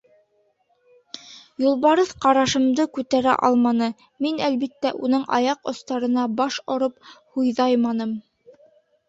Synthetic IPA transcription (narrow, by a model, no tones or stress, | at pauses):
julˠβɑɾɤðqɑɾɑʃɤ̆md̪ɤkʉt̪æɾæ̰ʔɑ̰lˠmɑnɤ | minælβit̪ːæʔunɤɴɑ̰jɑqŏst̪ɑɾɤ̆n̪ɑbɑʃŏɾɤp̚hujðɑjmɑnɤm